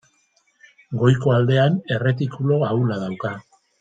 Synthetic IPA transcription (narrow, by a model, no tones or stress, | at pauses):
ɡo̞jko̞ald̪e̞ane̞re̞t̪̬ikulo̞aulaðawka